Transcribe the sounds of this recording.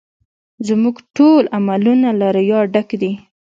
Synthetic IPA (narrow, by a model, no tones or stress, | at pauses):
zmuɡʈolamalunalaɾəjɑɖakd̪i